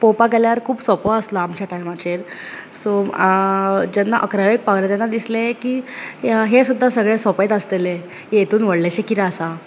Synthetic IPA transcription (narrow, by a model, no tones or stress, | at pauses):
powpakɛljaəɾkʰuːbsɔpɔəslaːmt͡ɕjaʈajmat͡ɕeɾ | so | d͡ʑanːaʔəkɾaʋek̚paʋlt̪anːad̪islekiːɦesud̪ʱːasəɡɭesɔpet̪əst̪ele | et̪ʰuːnʋəɽleɕekiɾaəsa